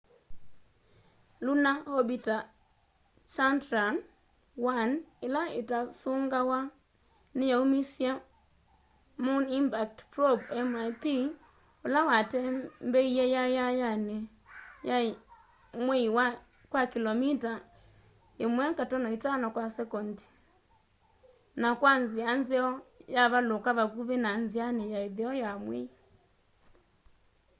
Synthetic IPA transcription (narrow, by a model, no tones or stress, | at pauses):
lunahobita | t͡ʃantɾan | wanɪlaɪtasʊŋɡawa | nɪjaumisja | mʊnimpak̚tpɾobɛmajpi | ʊlawatɛmbɛijajajajane | ja | mwɛiwa | kwakilɔmita | emwɛŋkatɔnɔitanɔkwasɛkɔndi̥ | nakwanzianzɛɔjaβalokaʋakuβenanzianɛjaeðɛɔjamwɛ̰i